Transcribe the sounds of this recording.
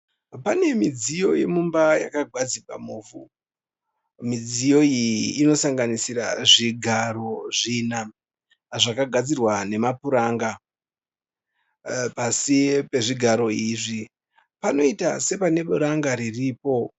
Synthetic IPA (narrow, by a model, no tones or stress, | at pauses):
pane̞mid͡zijo̞je̞mumbajakaɡʱwad͡ziɡwa̰muːvu | mid͡zijo̞iːno̞saŋɡanisira̰ʐiɡʱaɾo̞ʐina | ʐakaɡʱad͡zirwane̞mapuɾaːŋɡa | pasipe̞ʐiɡʱaɾo̞iːʐi | pano̞itase̞pane̞ɓuɾaŋɡaɾiriːpo̞